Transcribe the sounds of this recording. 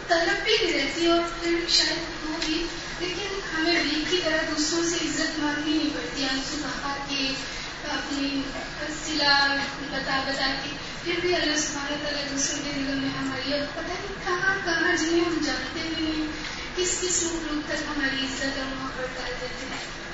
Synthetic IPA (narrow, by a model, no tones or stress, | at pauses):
t̪ɐləbbidiɾɛɦt̪iɦɛ̃ɔːɾpʰɪɾbʱiʃaːjəd̪ɦobʱi | leːkɪn | ɦɐmẽbiːkkit̪ɐɾəɦd̪uːsɾõseɪzːət̪mãːnɦĩnĩpɐɾt̪iɦãnsubʱapake | ɐpni | ɐsɪla | bɐt̪abɐt̪ak̪i | pʰɪɾbʱiɐlːasʊbʱaːɾet̪ɐɾəd̪uːsɾõked̪ɪɡəɾmẽɦɐmaːɾiɐpɐt̪akikɐɦãmkɐnãd͡ʒɪnẽɦɐmd͡ʒãːnt̪enĩɛ̃ | kɪskɪsɾuːploːɡ̚t̪ɐkɦɐmaːɾiɪzːət̪ɐmɐɦãbɐɾd̪aːd͡ʒaːt̪eɦɛ̃ː